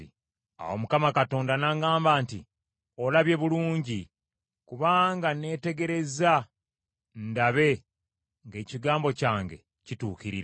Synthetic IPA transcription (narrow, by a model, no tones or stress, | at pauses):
a̰wo̞mukamakato̞ːndanaːŋɡaːmbaːntḭ | o̞laβje̞βuluːɲɟi | kuβaːŋɡane̞ːte̞ɡe̞ɾe̞za | ndaβe̞ | ŋɡe̞ːciɡaːmbo̞caːŋɡe̞̰ | cituːkiɾiɾ